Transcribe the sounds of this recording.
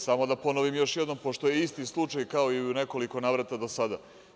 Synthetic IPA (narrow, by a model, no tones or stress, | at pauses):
samo̞d̪apo̞noʋimjo̞ʃjed̪no̞mpoʃt̪o̞je̞ist̪islˠut͡ʂajkao̞iune̞ko̞liko̞naːʋɾat̪ad̪o̞sad̪a